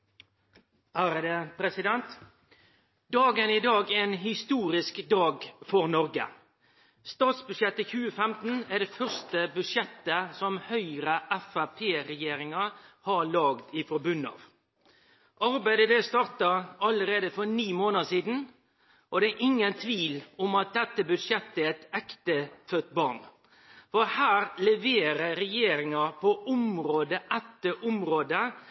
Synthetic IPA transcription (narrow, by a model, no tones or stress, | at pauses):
hæɾəd̪əpʰɾɛsɪd̪ɛnt̪ | d̪ɑːɡənɪd̪ɑːɡæɛnhɪst̪uːɾɪskd̪ɑːɡfɔɾnɔɾɡə̰ | st̪ɑːt̪sbʉʂjɛt̪ːəçʉːəfɛmt̪n̩æɖɛːfœɾst̪əbʉʂjɛt̪ːəsɔmhœʏɾəʔɛfæpʰeːɾɛjeːɾɪŋɑhɑɭɑːɡd̪ɪfɔɾbʉnːɑ̰ːʋ | ʔɑɾbæɪd̪əd̪ɛst̪ɑɾt̪ɑɑlːəɾeːd̪əfɔɾniːmoːnəsiːd̪n̩ | ʔɔd̪ɛæɾʔɪŋːənt̪ʰʋiːlɔmɑt̪̚d̪ɛt̪ːəbʉd̪ʂjɛt̪ːəɛt̪ɛkt̪əfœt̪bɑɾn | fɔhæːɾlɛʋeːɾəɾɛjeːɾɪŋɑpʰɔʔʊmɾoːd̪əʔɛt̪ːəʔʊmɾoːd̪ə